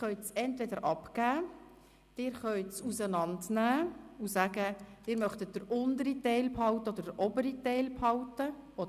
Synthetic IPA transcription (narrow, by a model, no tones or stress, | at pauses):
χœʏtt͡sɛntʋɛdəɾʔɑpkæː | d̥ɪːɾχœʏtt͡susənɑndnæːusæːɡəd̥ɪːɾmœχtət̚d̥əɾʔʊndəɾitɛɪlphɑwtəɔdəɾdəɾʔɔbəɾitɛɪlphɑʊtəɔd